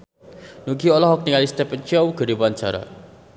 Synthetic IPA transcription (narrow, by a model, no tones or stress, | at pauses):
nuɡiɔlɔɦɔk̚niŋalist̪ɛpənt͡ʃawɡə̤ɾibant͡ʃaɾa̰